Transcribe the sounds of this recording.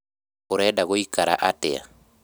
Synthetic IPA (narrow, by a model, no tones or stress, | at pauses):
oɾɛdaɣoikaɾa̰ʔatḛa̰